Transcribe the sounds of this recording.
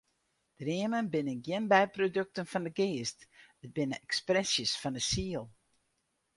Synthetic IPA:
d̥riəmənbɪnənɡjɪnbɛjprodøk̚tənfɔndəɡeːstət̚bɪnəɛksprɛsjəsfɔndəsiəlˠ

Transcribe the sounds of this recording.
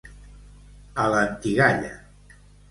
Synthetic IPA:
ələnt̪iɣaʎa̰

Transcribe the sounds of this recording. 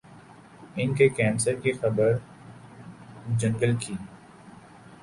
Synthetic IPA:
ɪnkekɛːnsəɾkixɐbəɾ | d͡ʒɐ̃ŋɡəlkʰiː

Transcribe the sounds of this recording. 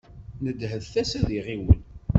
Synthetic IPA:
nəd̪ɦəðθæsæðiʁiwə̰n

